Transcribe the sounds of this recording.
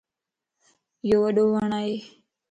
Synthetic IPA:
joːʋəɗoːʋəɳaːɦeː

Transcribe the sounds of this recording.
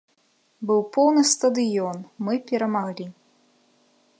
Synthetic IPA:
bɨwpɔwnɨst̪ɐd̪ɨjɔnmɨpʲɛɾɐmaɣlʲi

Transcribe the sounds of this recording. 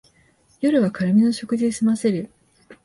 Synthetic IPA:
jo̞ɾɯ̟βakaɾɯ̟mʲino̞ɕo̞kɯ̟ʑisimase̞ɾɯ̟

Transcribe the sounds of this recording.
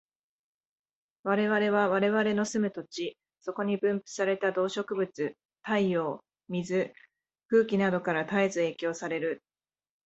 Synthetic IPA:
βaɾe̞βaɾe̞β̞aβaɾe̞βaɾe̞no̞sɨmɯ̟t̪o̞t͡ɕi | so̞ko̞ɲ̟ibɯ̟̃mpɯ̥saɾe̞t̪ad̪o̞ːɕo̞kɯ̟bɯ̟t͡sɨ | t̪aio̞ː | mʲizɨ | kɯ̟ːkʲinad̪o̞kaɾat̪aezɨeːkʲo̞ːsaɾe̞ɾɯ̟

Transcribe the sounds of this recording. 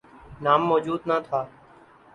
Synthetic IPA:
naːmːɔːd͡ʒuːd̪naːt̪ʰaː

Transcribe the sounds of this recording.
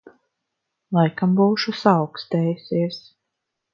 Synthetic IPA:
lˠajkambuːʃusawkst̪ɛːjsʲiɛs

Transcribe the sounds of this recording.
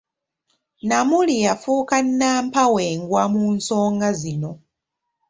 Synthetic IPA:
namulijafuːkanːaːmpaweːŋɡwamuːnso̞ːŋɡazino̞

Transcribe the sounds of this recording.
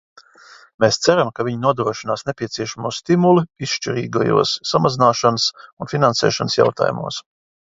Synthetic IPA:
meːst̪sæɾamkavʲiɲinuɔd̪ɾuɔʃinaːsnepʲiɛt̪siɛʃamuːst̪imuluisʃt͡ʃiɾiːɡa̰jṵɔsːamazinaːʃanəsunfʲinansɛ̰ːʃansja̰wt̪a̰ːjṵmṵːs

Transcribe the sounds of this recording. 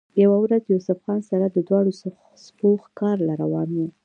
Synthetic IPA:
jawawɾazjusʊfɣɑnsaɾad̪əd̪wɑɽos | spoxkɑɾlaɾawɑnu

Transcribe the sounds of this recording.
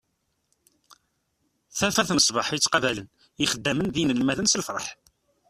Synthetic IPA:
θæfæθnəsˤbɑħjit͡sːqɑvælən | iχəd̪ːæmənðinəlmæðənsəlfɾˤɑ̰ħ

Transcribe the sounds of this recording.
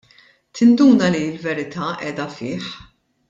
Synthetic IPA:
t̪ɪnd̪uːnɐliɪlvɛɾɪt̪ʰɐʔɛːd̪ɐfɪːħ

